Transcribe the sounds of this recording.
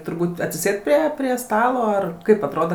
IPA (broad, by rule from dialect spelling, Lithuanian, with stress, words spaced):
tʊrˈbuːt ɐtʲsʲɪˈsʲeːt ˈpʲrʲiɛ pʲrʲiɛ ˈstɑːlˠoː ɐr ˈkɐɪp ɐtˈroːdɐ